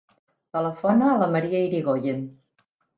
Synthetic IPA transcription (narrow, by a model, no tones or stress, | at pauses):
t̪ələfɔnaːləmɐɾiaiɾiɣoʎen